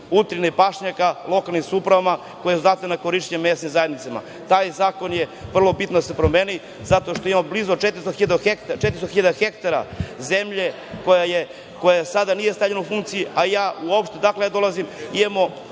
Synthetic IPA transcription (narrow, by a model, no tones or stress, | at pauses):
ut̪ɾinepaʃɲakalˠo̞kalˠnimsupɾaʋama | kojesuzat̪enakoɾiʃt̪emesnimzajed̪nit̪sama̰ | t̪aːjzaːko̞njeʋr̩lˠo̞bit̪nod̪ase̞pɾomeːni | zat̪oʃt̪oimamoblizot͡ʃet̪ɾist̪oxiʎad̪xekt̪at͡ʃet̪ɾist̪oxiʎad̪axekt̪aɾa̰ze̞mʎe | kojaje | kojasad̪anijest̪avʎenaufuŋkt̪sijiajaːuopʃt̪ed̪akled̪o̞lazimid̪emo